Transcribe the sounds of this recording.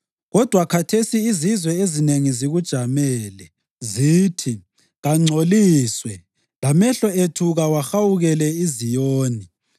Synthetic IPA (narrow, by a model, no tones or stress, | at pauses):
ɣɔd̥ʱwakʰatʰesiːzizwɛezineŋiziɣud̥ʒ̥ʱamɛːlɛ | ziːtʰi | ɣaŋ͡ǀʱoliːswɛ | lamɛɬɔetʰuɣawaxawuɣɛlɛizijoːni